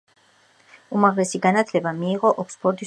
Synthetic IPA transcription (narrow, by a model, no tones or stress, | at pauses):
umaʁlɛsiɡanat̪ʰlɛbamiːʁɔʔɔkspʰɔɾd̪is